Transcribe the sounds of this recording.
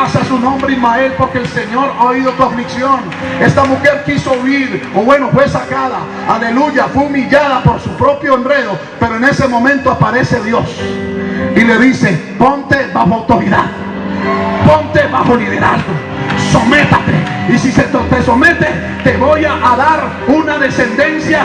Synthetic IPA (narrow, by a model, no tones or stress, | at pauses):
asasunõ̞mbɾeimae̞lpo̞ɾke̞else̞ɲo̞ɾaoiðo̞koɱfliksjo̞n | e̞st̪amuxe̞ɾkiso̞uiɾoβwe̞no̞fwe̞sakaða | ale̞luʝafweumiʎaðapo̞ɾsupɾo̞pjoenre̞ðo | pe̞ɾoene̞se̞mõ̞mẽ̞nt̪oapaɾe̞se̞ðjo̞s | ile̞ðise̞ | po̞nt̪eβaxoawt̪oɾiða̰ð | po̞nt̪e̞βaxo̞liðeɾa̰zɡo | so̞me̞t̪at̪e̞̰isiseot̪e̞some̞t̪e̞ | t̪e̞βojaʔaðaɾ | unaðe̞se̞nd̪e̞nsja